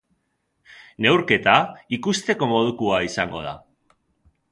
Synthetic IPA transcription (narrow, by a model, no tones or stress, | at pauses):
ne̞wɾke̞t̪aikust̪e̞ko̞mo̞ð̞ukuaisaŋɡo̞̰ð̞a̰